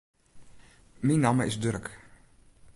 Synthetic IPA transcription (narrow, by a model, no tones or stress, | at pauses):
minaməɪsdørk